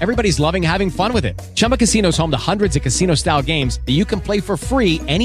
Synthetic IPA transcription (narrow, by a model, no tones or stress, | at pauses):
ɛvɹibɑɾizlʌvɪ̃ŋhævɪ̃ŋfʌ̃nwɨðɪ̰t̚t͡ʃʰʌ̃mpəkɨsinoʊz̥hõʊ̃mðəhʌ̃ndɹɨdzʌv̥kɨsĩñoʊstaɪlˠɡẽɪ̃mzðɨjɨkʰɨ̃n̩pʰl̥eɪfə˞fɹiɛɾi